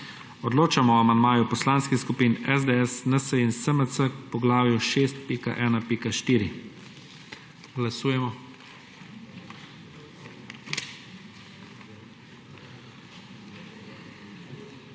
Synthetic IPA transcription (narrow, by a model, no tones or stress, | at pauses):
ɔd̪loːt͡ʃamɔamand̪maːjupɔslaːnskixskupiːnɛzd̪eɛsnəsəinsəməsəkpɔɡlaːwjuʃeːst̪̚piːka̰ʔɛːnapikaʃt̪iːɾi | ɡlasuːjɛmɔ